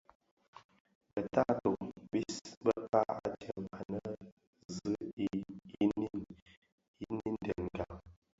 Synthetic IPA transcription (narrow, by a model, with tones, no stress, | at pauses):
bə˨ta˦to˨bi˦sbə˦pa˦a̰˨tə˨ma˨nə˦ | zɨ˦ | i˦ni˦ | i˦ni˦n˦dɛ˨nɡa˨